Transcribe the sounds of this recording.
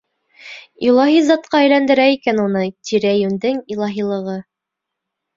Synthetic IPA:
ilˠɑɦizɑt̪qɑæjlænd̪ɘ̆ɾæikænunɤt̪ʲiɾæjʉnd̪ɘŋilˠɑɦilˠɤ̆ʁɤ

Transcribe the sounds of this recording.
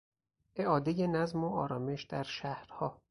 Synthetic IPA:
ʔe̞ʔɒːd̪ejenæzmoɒːɾɒːme̞ʃd̪̥æɾʃæhɾhɒː

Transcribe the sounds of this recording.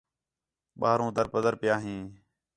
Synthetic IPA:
ɓaːɾõːd̪əɾpəd̪əɾpɪjaːɦĩː

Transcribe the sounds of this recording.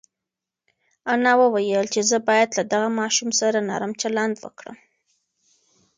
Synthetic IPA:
anɑwəwajəlt͡ʃezəbɑjad̪lad̪aɣamɑʃumsaɾanɑ̰ɾamt͡ʃaland̪wə̰kɽə̰m

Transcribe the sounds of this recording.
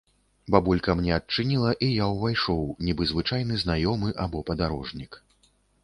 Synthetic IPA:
babulʲkɐmnʲɛɐtt͡ʂɨnʲilˠɐʔijawvajʂɔwnʲibɨzvɨt͡ʂajnɨznajɔmɨʔabɔpɐd̪aɾɔʐnʲik

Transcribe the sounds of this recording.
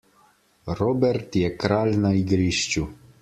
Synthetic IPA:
ɾɔbɛɾt̪jɛkɾaːlnaiɡɾiʃt͡ʃu

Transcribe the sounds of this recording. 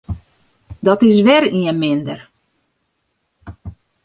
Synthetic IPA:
dɔtɪs̬ʋɛriəmɪndər

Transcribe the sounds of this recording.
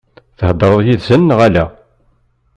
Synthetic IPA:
θəhəd̪ːɾˤəðˤjiðsənːʁælæ

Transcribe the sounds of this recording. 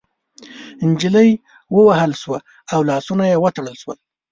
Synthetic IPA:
ɪnd͡ʒiləj | wəwahəlʃwa | awlɑsunajewət̪aɽəlʃwə̰l

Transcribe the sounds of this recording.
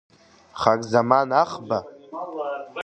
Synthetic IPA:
χakʼzamanaχba

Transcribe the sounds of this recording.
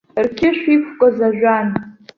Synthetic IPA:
rkʲʰɪʃʷᶣikʷʰkʷʼozaʒʷᶣan

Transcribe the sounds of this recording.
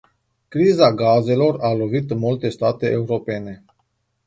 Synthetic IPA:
kɾizaɡaze̞lo̞ralo̞vit̪ɨnmult̪e̞st̪at̪e̞ʔeuɾo̞pe̞ne̞

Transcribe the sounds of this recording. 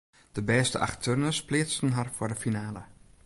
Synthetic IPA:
d̥əbɛːstə̰ʔa̰xtʰønəsplɪəstənɦarfʊɹdəfinaːlə

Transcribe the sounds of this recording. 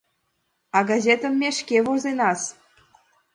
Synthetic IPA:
ɑɡɑzʲet̪ə̆mːeʃkevozenɑs

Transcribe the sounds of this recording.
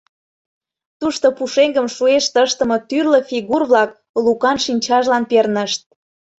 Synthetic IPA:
t̪uʃt̪opuʃeŋɡə̆mʃueʃt̪əʃt̪ə̆mɤt̪yrlə̆fiɣurβlɑk̚ | lukɑnʃinʲt͡ɕɑʒlɑnpernəʃt̪̚

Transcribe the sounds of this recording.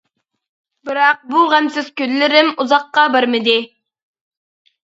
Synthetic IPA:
bɨɾɑq̚buʁæmsɪz̥kʲøllːɪɾɪmuzɑqːɑbɪɾmɪd̪ɪ

